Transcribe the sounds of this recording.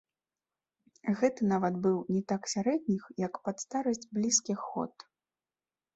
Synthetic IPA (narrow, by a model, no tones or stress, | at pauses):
ɣɛt̪ɨnavɐt̪bɨwnʲɛt̪aksʲaɾɛdʲnʲixjɐkpat̪st̪aɾɐsʲd͡zʲblʲiskʲixːɔ̰t̪